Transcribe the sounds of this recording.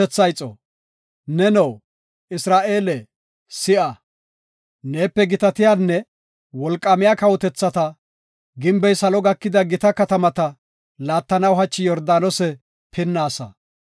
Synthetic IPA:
ɛt͡sːɐjt͡sʼːɔ̰ | nɛnɛw | ɪsɾaːʔe̞ːlɛ | sɪʔɐ | ne̞ːpːɛɡɪt̪ɐt̪ɪjaːnːɛ | wɔlkʼːɐmɪjaːkɐwɔt̪ɛt͡sːɐt̪ɐ | ɡɪmbɛjsɐlɔɡɐkːɪd̪ɐɡɪt̪ɐkɐt̪ɐmɐt̪ɐ | laːt̪ːɐnɐwɦɐt͡ʃːɪjɔɾd̪aːnɔsɛ | pʰɪnːaːsɐ̰

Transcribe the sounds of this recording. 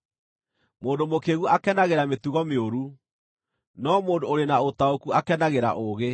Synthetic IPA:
moːndomokeɣuʔakɛnaɣeɾamet̪uɣɔmeoɾu | nɔmoːndoːɾenaot̪aokuakɛnaɣeɾa̰ʔoːɣe

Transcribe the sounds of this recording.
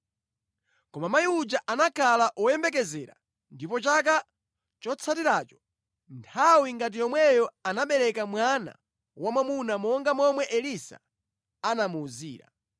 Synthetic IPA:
kɔmamajiud͡ʒaʔanakʰalaʔɔjɛmbɛkɛzɛːɾa̰ | ndipɔt͡ʃak̬a | t͡ʃɔt͡sʰatiɾaːt͡ʃɔ̥ | ntʰawiŋɡat̬ijɔmwɛjɔanaɓɛɾɛkamwana̰ | wamwamunamɔŋɡamɔmwɛʔɛlisa̰ | anamuːziːɾa̰

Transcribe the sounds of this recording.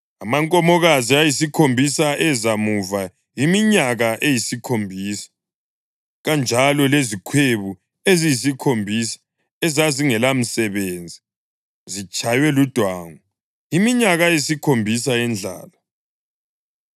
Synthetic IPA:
amaŋkʼɔmɔɣaziajisikʰombʱisaʔɛzamuva | imiɲaɣaʔejisikʰombʱiːsḁ | ɣand͡ʒʱalɔlezikʰweβu | ezijis̬ikʰombʱisḁ | ɛzaziŋɛlam̩sɛβeːnd͡zʱi | zit͡ʃʰʼajwɛlud̥ʱwaːŋɔ | imiɲaɣajesikʰombʱisaɛnd͡ɮʱa̰ːla

